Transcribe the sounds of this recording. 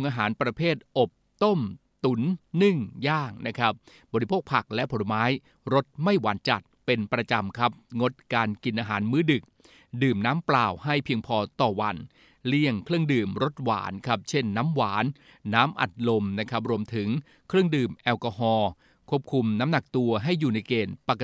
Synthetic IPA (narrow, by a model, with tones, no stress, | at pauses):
u˧ŋʔaː˧ɦaː˩˦npɾa˧pʰeː˥˩t̪̚ʔo˨˩p̚t̪o˥˩m | t̪u˩˦nːɯ˥˩ŋjaː˥˩ŋ̚na˦˥kʰɾa˦˥p̚ | bɔː˧ɾi˦pʰoː˥˩k̚pʰa˨˩k̚lɛ˦˥ʔpʰo˩˦lmaː˦˥j | ɾo˦˥t̪̚ma˥˩jwaː˩˦nt͡ɕa˨˩t̪̚pe˧npɾa˧t͡ɕa˧mkʰa˦˥p̚ŋo˦˥t̪̚kaː˧nki˧nʔaː˧ɦaː˩˦nmɯː˦˥dɯ˨˩k̚ | dɯː˨˩mnaː˦˥mplaː˨˩wɦa˥˩jpʰi˧əŋpʰɔː˧t̪ɔː˨˩wa˧n | li˥˩əŋkʰlɯ˥˩əŋdɯː˨˩mɾo˦˥t̪̚wa̰ː˩˦nkʰa˦˥p̚t͡ɕʰe˥˩nːa˦˥mwaː˩˦nː | aː˦˥mʔa̰˨˩t̪̚lo˧mna˦˥kʰa˦˥p̚ɾu˧əmt̪ʰɯ˩˦ŋ | kʰɾlɯ˥˩əŋdɯː˨˩mʔɛː˧wkɔː˧hɔː˧ | kʰu˥˩ə˩p̚kʰu˧mna˦˥mna˨˩k̚t̪u˧ɐɦa˥˩jːuː˨˩na˧jkeː˨˩npa˨˩kːa˧